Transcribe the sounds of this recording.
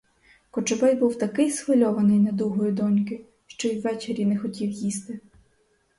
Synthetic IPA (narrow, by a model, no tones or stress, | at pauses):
kɔt͡ʃɔbɛjbuwt̪ɐkɪjsxʋɪlʲɔʋɐnɪjnɐd̪uɦɔjʊd̪ɔnʲkɪ | ʃt͡ʃɔjwːɛt͡ʃeɾʲinɛxɔtʲiwjist̪ɪ